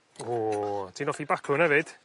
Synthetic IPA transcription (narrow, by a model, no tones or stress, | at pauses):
otʰiːnɔfibakʰʊnɛvɨd̥